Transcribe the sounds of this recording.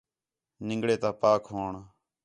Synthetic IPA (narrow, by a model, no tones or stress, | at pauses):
nɪ̃ŋɡɽeːt̪aːpaːkʰɦoːɳ